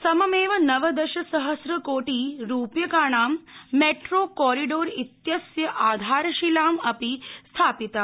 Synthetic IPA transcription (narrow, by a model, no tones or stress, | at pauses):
sɐmɐmeːʋɐnɐʋɐd̪ɐʃɐsɐɦɐsɾɐkoːʈiːɾuːpjɐkaːɳ̃aːmːeʈɾoːkɔːɾiɖoːɾit̪jɐsjɐʔaːd̪ʱaːɾɐʃilaːmɐpist̪ʰaːpit̪aː